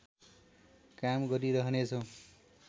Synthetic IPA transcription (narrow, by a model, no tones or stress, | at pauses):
kamɡʌɾiɾʌɦʌnet͡sʰʌ̃